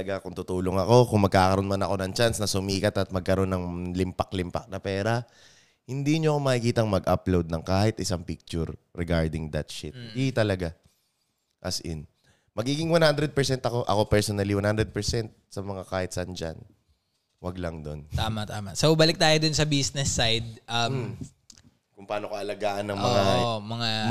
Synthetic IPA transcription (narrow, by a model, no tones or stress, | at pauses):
ɐɡakʊŋt̪ʊt̪uːloŋɐko̞kʊŋmɐɡ̚kaːkɐɾo̞nmɐnɐko̞nɐŋt͡ʃansnɐsʊmiːkɐt̪ɐt̪̚mɐɡ̚kɐɾo̞nːɐŋlɪmpɐk̚lɪmpɐ̰k̚nɐpɛːɾɐ | hɪnd̪iːɲoɐkomɐhɪkiːt̪ɐŋmɐɡʔɐ̰plowd̪̚nɐŋkaːhɛt̪ʔɪsaŋpik̚t͡ʃʊɾːɛɡaɹd̪ɪŋd̪ɐt̪̚ʃɪt̪̚it̪ɐlɐɡa | ʔɐsʔɪ̰n | mɐɡiːɡɪŋwɐnhand̪ɾɛd̪̚pɛɹsɛnt̪ɐko̞ʔɐ̰ko̞pɛɹsonɐliwanhand̪ɾɛd̪̚pɛɹsɛnt̪̚sɐmɐŋakaːhɪt̪̚sɐɐnd͡ʒa̰n | wɐɡlɐŋd̪o̞nt̪aːmat̪aːmɐsobɐlɪk̚t̪aːjod̪ʊnsɐbisnɛsːajd̪̚ʔɐ | kʊŋpaːnokɐʔɐlɐɡaːʔɐnːɐŋʔmɐŋamɐŋa